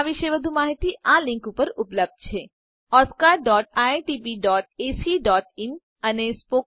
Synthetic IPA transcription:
aʋɪʃeʋɐd̪ʱumaːɦɪt̪iʔãːlɪ̃ŋkupəɾʊpləb̚d̪̚t͡ʃʰeː | ɔːskaːɾɖɔːʈ̚aːʈiːpiːɖɔːʈ̚eːsiɖɔːʈɪm | ɐnespoː

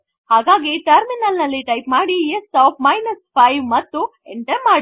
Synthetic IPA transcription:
haːɡaːɡiʈɐɾminɐlnɐlːiʈɐjpmaːɽiesaːpʰmɐjnɐspʰɐjʋmɐt̪ːu | eɳʈɐɾmaːɽ

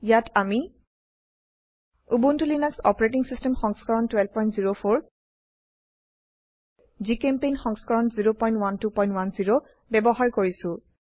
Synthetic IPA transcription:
jatʰami | ubuntulinaksɔpɔɹetiŋsistɛmxɔŋskaɹɔntwɛlpɔjntziɹopʰoɹ | zikɛmpejnxɔŋskaɹɔnziɹopɔ̃j̃ntwantupɔ̃j̃ntwanziɹo | bɛbɔɦaɹkoɹisʊ̃

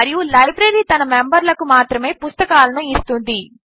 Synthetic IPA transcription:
ɐɾijulɐjbɾeːɾiːt̪ɐnɐmembɐɾlɐkumaːt̪ɾɐme̞ːpust̪ɐkaːlɐnuist̪und̪i

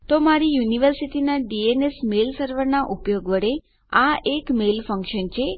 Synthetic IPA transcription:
t̪omaɾijuniʋəɾsiʈinaɖienesmelsəɾʋəɾnaʔupjoɡʋəɽe | aekmelfə̃ŋkʃənt͡ʃʰe

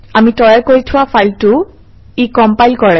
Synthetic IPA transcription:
amitɔjɛkoɹitʰʊwafajltʊ | ikɔmpajlkɔɹɛ

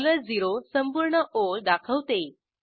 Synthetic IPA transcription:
ləd͡ziɾosəmpuɾɳəʔold̪akʰəʋt̪e

